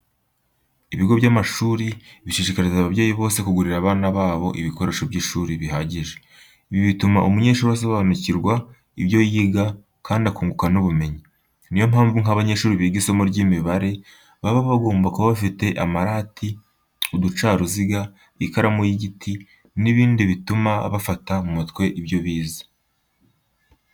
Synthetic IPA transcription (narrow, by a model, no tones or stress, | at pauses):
iβiɡo̞βɟaːmaʃuːɾiβiʃiʃikaɾizaβaβjeːjiβo̞ːse̞kuɡuɾiɾaβaːnaβaːβo̞ʔiβiko̞ɾe̞ʃo̞bɟiːʃuːɾiβiɦaɟiʒe | iβiβituma̰ʔumuɲe̞ːʃuːɾas̬oβaːnuciɾɡwa | iβjo̞jiɡa | kʰaːndiakuːŋɡukanuβume̞ɲi | nijo̞mhaːɱvuŋaβaɲe̞ʃuːɾiβiːɡizomuɾɟiːmiβaɾe̞ | βaβaβaɡo̞ːmbakuβaβafite̞ʔamaɾaːti | udut͡ʃaːɾuziɡa | ikaɾamujiɟitʰi | niβiːndiβitumaβafatamumutkwe̞ʔibjo̞βiːzḁ